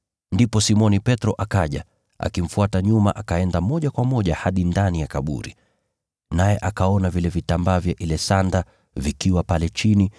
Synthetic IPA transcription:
ndipɔsimɔnipɛtɾɔʔakaʄa̰ | ʔa̰kim̩fuataɲuma̰ʔakaɛndamɔʄakwamɔʄahaɗindanijakaɓṵɾḭ | najɛʔakaɔnavilɛvitambavjaʔilɛsanda | vikiwapalɛt͡ʃini

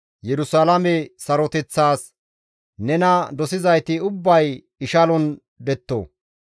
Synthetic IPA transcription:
jɛɾʊsalɐmɛsɐɾɔt̪ɛt͡sːaːs | nɛnɐd̪ɔsɪzɐjt̪ɪʊbːɐj | ɪʃɐlɔn | d̪ɛt̪ːo̰ː

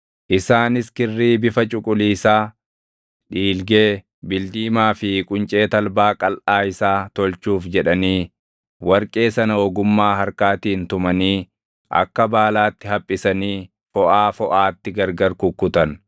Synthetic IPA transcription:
ʔɪsaːnɪskɪrːiːbɪfɐt͡ʃʼʊkʼʊliːsaː | ᶑiːlɡe̞ː | bɪld̪iːmaːfɪkʼʊnt͡ʃʼe̞ːt̪ɐlbaːkʼɐlʔaːɪsaːt̪ɔlt͡ʃuːfd͡ʒɛᶑɐniː | wɐɾkʼe̞ːsɐnɐɔɡʊmːaːhɐɾkaːt̪iːnt̪ʊmɐniː | ʔɐ̰kːɐbaːlaːt̪ːɪhɐpʼːɪsɐniː | fɔʔaːfɔʔaːt̪ːɪɡɐɾɡɐɾkʊkːʊt̪ɐn

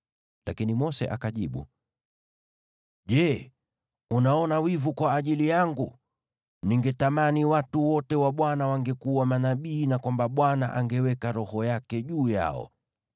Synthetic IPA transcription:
lakinimɔsɛ̰ʔa̰kaʄiɓṵ | ʄɛ | unaɔnawivukwaːʄilijaŋɡu | niŋɡɛtamaniwatuwɔtɛwaɓwanawaŋɡɛkuwamanaɓiːnakwambaɓwana̰ʔaŋɡɛwɛkaɾɔhɔjakɛʄuːja̰ɔ̰

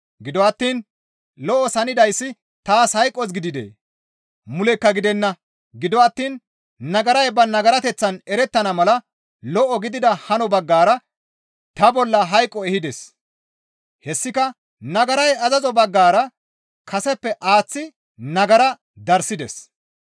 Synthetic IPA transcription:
ɡɪd̪ɔɐt̪ːiːn | lɔʔɔsɐnɪd̪ɐjsːɪ | t̪aːshɐjkʼːɔsɡɪd̪ɪd̪ḛː | mʊlɛkːɐɡɪd̪ɛnːɐ | ɡɪd̪ɔɐt̪ːiːn | nɐɡɐɾɐjbɐnɐɡɐɾɐt̪ɛt͡sːɐnɛɾɛt̪ːɐnɐmɐlɐ | lɔʔɔɡɪd̪ɪd̪ɐhɐnɔbɐɡːaːɾɐ | t̪ɐbɔlːɐɦɐjkʼːɔɛhɪd̪ɛs | hɛsːɪkɐ | nɐɡɐɾɐjɐzɐzɔbɐɡːaːɾɐ | kʰɐsɛpːɛʔaːt͡sːɪ | nɐɡɐɾɐ | d̪ɐɾsɪd̪ɛ̰s

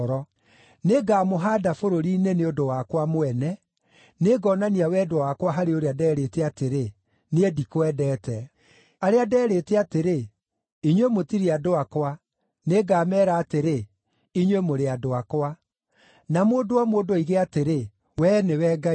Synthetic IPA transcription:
ɾɔ | neɡaːmoɦaːdafoɾoɾiːneneodowakwamoɛnɛ | neɡɔnaniawɛdowakwaɦaɾeoɾeadɛɾeteateɾe | needikoɛdɛːtɛ | aɾeadɛːɾeteateɾe | iɲwemotiɾeadoakwa | neɡaːmɛːɾaːteɾe | iɲwemoɾeadoakwa | namoːdowamoːdoiɣeateɾe | wɛnewɛɡa

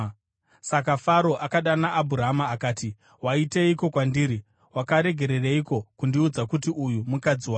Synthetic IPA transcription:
sakafaɾo̞ʔakaɗanaʔːbʱuɾaɦamaːkaːti | waiteiko̞kwandiːɾi | wakaɾe̞ɡʱe̞ɾe̞reiko̞kundiud͡zakutiujumukad͡ziwa

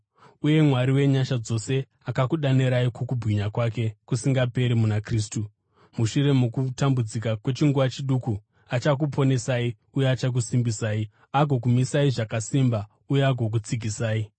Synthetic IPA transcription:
uje̞mwaɾiwe̞ɲaʃad͡zo̞se̞ | akakuɗaneɾaikokubʱwiɲakwake̞kusiŋɡape̞ɾimunakriːs̬tu | muʃure̞mukutambud͡zikakwe̞t͡ʃiŋɡuʋat͡ʃiɗuku | at͡ʃak̬upʰo̞ne̞sai | ujeat͡ʃak̬usimbisaːi | aɡʱo̞k̬umisaiʐakasimba | ujeaɡʱo̞k̬ut͡siɡʱisaːi

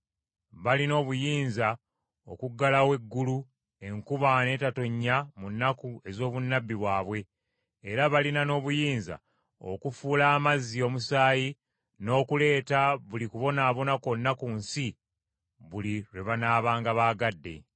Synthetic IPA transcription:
βalino̞ːβujiːnza | o̞̰kuɡːalawe̞ɡːulu | e̞ŋkuβane̞ːtato̞ɲːamunːakue̞zo̞ːβunːabːiβwaːβwe̞ː | ɾaβalinano̞ːβujiːnza̰ | o̰kufuːlaːmazːio̞ːmusaːji | no̞ːkule̞ːtaβulikuβo̞naːβo̞nako̞nːakuːnsi | βuliɾwe̞βanaːβaːŋɡaβaːɡadːe̞̰

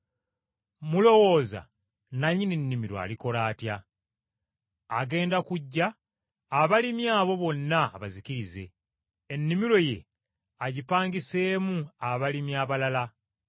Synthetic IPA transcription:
mulo̞wo̞ːza̰ | naɲːininːimiɾoa̰liko̞laːtja | ɡe̞ːndakuɟːaː | βalimjaːβo̞βo̞nːaːβazikiɾize̞̰ː | nːimiɾo̞je̞̰ | aɟipaːŋɡise̞ːmuaβalimjaːβalala

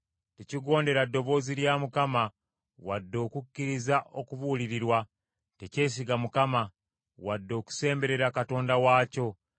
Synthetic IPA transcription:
teciɡo̞ːnde̞ɾadːo̞βo̞ːziɾjamukama | wadːo̞ːkucːiɾizaʔokuβuːliɾiɾwa | tece̞ːs̬iɡamukama | wadːo̞ːku̥se̞ːmbe̞ɾe̞ɾakato̞ːndawaːco̞

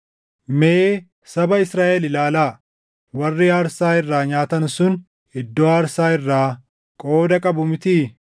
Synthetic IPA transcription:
meː | sɐbɐɪsɾaːʔɛlɪlaːlaː | wɐrːɪaːɾsaːɪrːaːɲaːt̪ɐnsʊn | ɪd̪ːoːaːɾsaːɪrːaː | kʼo̞ːd̪ɐkʼɐbʊmɪt̪iː

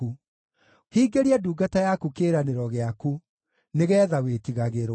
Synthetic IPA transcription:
u | hiːɡeɾiɛduːɡatajakukeːɾaneɾɔɣeaku | neɣɛːðawetiɣaɣeɾ

